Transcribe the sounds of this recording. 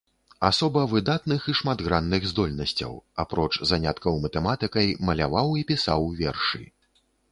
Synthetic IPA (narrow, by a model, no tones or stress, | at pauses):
asɔbɐvɨd̪at̪nɨxiʂmad̪ɣɾanːɨɣzd̪ɔlʲnɐsʲt͡sʲɐ̰wa̰pɾɔt͡ʂzanʲat̪kɐwmɐt̪ɛmat̪ɨkɐjmɐlʲavawipʲisa̰wvʲɛrʂɨ̰